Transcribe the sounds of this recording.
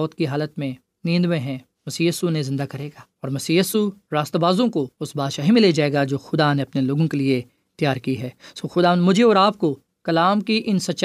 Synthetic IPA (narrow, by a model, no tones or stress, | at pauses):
ɔːt̪kiɦaːlət̪mẽ | nĩːnd̪mẽɦɛ̃ | mɐsiːjiːsunezɪ̃nd̪akɐɾeːɡaːɔːɾmɐsiːjiːsuɾaːst̪baːzõkoʊsbaːd̪ʃaːɦimɪled͡ʒaːeːɡad͡ʒoːxʊd̪aneɐpneloːɡõkelie | t̪jaːɾkiɦɛːsoːxʊd̪anmʊd͡ʒʱeɔːɾaːp̚ko | kɐlaːmkiʔɪnsɐtːʃ